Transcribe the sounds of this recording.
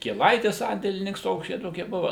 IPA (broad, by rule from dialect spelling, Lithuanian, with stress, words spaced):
kʲiɛˈlˠɐɪtʲɪs ˈsɐnʲdʲeːlʲɪnʲɪŋks ˈtoːks ˈt͡ʃʲɛ ˈtoːkʲiɛ ˈbʊʋɐ